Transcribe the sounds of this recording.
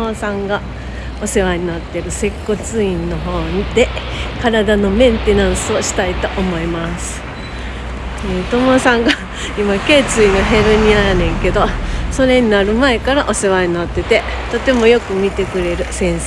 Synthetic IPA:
osãŋɡa | o̞se̞βaɲ̟inat̪ːe̞ɾɯ̟se̞kːo̞t͡sɨĩnːo̞ɦo̞ːɲid̪e̞ | kaɾad̪ano̞mẽ̞nt̪e̞nãɰ̃sɨo̞ɕi̥t̪ait̪o̞ʔomo̞imasɨ̥ | t̪omo̞sãŋɡa | imake̞ːt͡sɨinaɦe̞ɾɯ̟ɲ̟iaɾanẽ̞ŋke̞d̪o̞so̞ɾe̞ɲ̟inaɾɯ̟mae̞kaɾaʔo̞se̞βaɲ̟inat̪ːe̞t̪e | t̪o̞t̪e̞mo̞jo̞kɯ̟mʲit̪e̞kɯ̟ɾe̞ɾɯ̟sẽ̞ɰ̃s

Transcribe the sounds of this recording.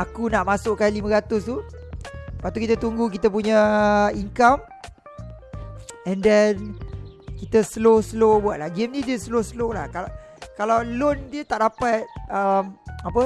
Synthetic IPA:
akunaʔmãsʊʔkanlimə̃ɾat̪ʊst̪u | pat̪ukit̪ət̪uŋɡuk̬it̪əp̬uɲaiŋkam | ɛndɛn | kit̪əsloslobuaʔ̚laɡɛmnĩdiəsloslolahka | kalawlondiət̪aʔdapat̪̚əmapə

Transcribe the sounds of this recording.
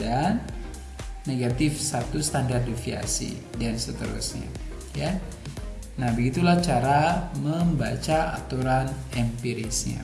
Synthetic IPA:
danː | eɡat̪ɪfsat̪ust̪andardifia̰sḭ | dansət̪əɾṵsɲa̰ | ja | nahbəɡit̪ulaht͡ʃaɾaməmbat͡ʃaat̪uɾanɛmpiɾisɲa̰

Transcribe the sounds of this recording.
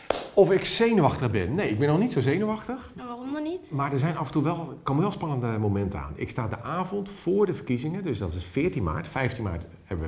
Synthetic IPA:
ɔfɪksejnəʋɑxtəɣbɪnːejɪɡ̚bɪnːɔxnitsowzejnəʋɑxtəxaɔmnɔnitmaːɹdəɹzɛjnɑfəntuʋɛlˠkːomʋɛlˠspɑnəndəmomɛntəa̰ːnɪ̰kstaːdəʔaːvɔntfʊːɹdəvərkizɪŋədøsdɑtɪsfɪːɹtinma̰ːɹtfɛjftinma̰ːɹt | hɛ̰bəʋə

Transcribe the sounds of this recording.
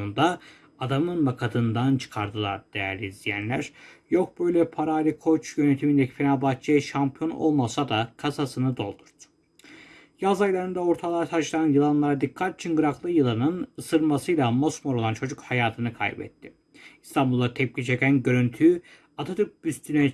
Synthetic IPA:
und̪a | ad̪amɯnmakʰad̪ʰɯnd̪ant͡ʃʰɯ̥kʰaɾd̪ɯlˠaɾd̪̥ejæɾlʲizijænlʲæ̰ɾjo̞k̚bøjlʲɛpʰaɾaːlʲikʰo̞t͡ʃjø̞net̪ʰimind̪ecʰi̥fenalbat̚t͡ʃʰaʃampʰijo̞no̰lˠmasad̪akʰasasɯnɯd̪o̞lˠd̪uɾd̪̥ | jazajlˠaɾɯnd̪ao̞ɾt̪ʰalˠat̪ʰat͡ʃlˠaɾɯnjɯlˠanlˠaɾad̪ikʰːat̪ːi̥t͡ʃʰinɡɯɾaklˠɯjɯlˠanɯnɯsɯɾmasɯjlˠamo̞smoɾolˠant͡ʃʰo̞d͡ʒukhajaːt̪ʰɯnɯkʰa̰jbɛ̰t̪ʰːɪ | ist̪ʰambulˠːat̪ʰɛp̚cʰit͡ʃʰe̞cʲænɟø̞ɾynt̪ʰy | at̪ʰat̪ʰyɾk̚byst̪ʰynɛ

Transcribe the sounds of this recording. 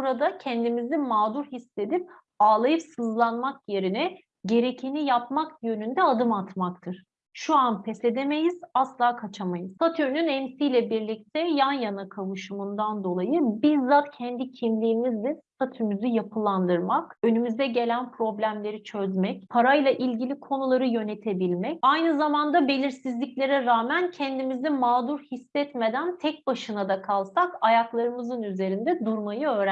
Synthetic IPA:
uɾad̪acʰɛnd̪imizimaːd̪uɾhisːe̞d̪ip̚ | aːlˠajɯpsɯzlˠanmakje̞ɾinɛ | ɟe̞ɾecʰinijap̚makjø̞nynd̪ɛad̪ɯmat̪makt̪ʰɯɾ̥ | ʃuanpʰɛse̞d̪eme̞jiz̥aslˠaːkʰat͡ʃʰamajɯz̥at̪ʰyønynɛmsijlʲɛbiɾlʲic̚t̪ʰɛjanjanakʰavɯʃɯmund̪and̪o̞lˠajɯbiɾzat̪cʰɛnd̪icʰimlʲiːmizd̪ɛst̪ʰat̪ʰymyzyjapʰɯlˠand̪ɯɾmakønymyzd̪ɛɟe̞lʲænpɾo̞blʲæmlʲe̞ɾit͡ʃʰø̞zmɛcpʰaɾajlˠaʔilʲɟilʲikʰo̞nulˠaɾɯjø̞ne̞t̪ʰe̞bilʲmɛcajnɯzamand̪abe̞lʲiɾsizlʲiclʲeɾɛɾaːmæncʰɛnd̪imizd̪ɛmaːd̪uɾhisːɛt̪me̞d̪ænt̪ʰɛc̚baʃɯnad̪akʰalˠsakajaklˠaɾɯmɯzɯnyze̞ɾind̪ɛd̪uɾmajɯø̞ːɾæ

